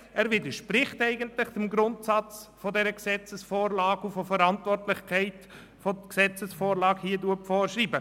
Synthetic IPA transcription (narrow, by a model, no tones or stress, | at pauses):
æːɾʋidəɾʃpɾɪχtɛɪɡəntlɪχt͡sumɡɾʊntsɑt͡sfɔdɛɾəksɛt͡səsfoːɾlɑːɡufɔfəɾɑntvɔrtlɪχkʰɛɪt | foksɛt͡səsfoːɾlɑːkhiːəduəpfɔːɾʃriːbə